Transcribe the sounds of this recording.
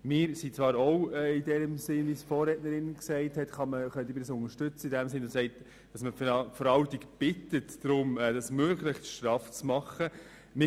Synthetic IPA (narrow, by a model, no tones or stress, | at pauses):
mɪːɾsit͡svɑːɾɔʊɛɪdɛːɾəmsɪnvisfɔːɾɛtnəɾɪnksɛɪthɛtχɑməχœntiɪbədəsʊŋəɾʃtʏt͡səidɛmsɪnsɛɪt | d̥ɑsməfəɾɑltikb̥ɪtətd̥ɾʊmɛdɑsmøːɡlɪχʃtɾɑft͡smɑχə | mɪ